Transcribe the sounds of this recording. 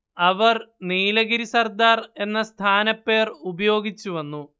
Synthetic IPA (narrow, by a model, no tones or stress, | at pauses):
ɐʋɐrniːlɐɡiɾisɐrd̪aːre̞nːɐst̪ʰaːnɐpːe̞ːrubɐjo̞ːɡit͡ɕːuʋɐnːu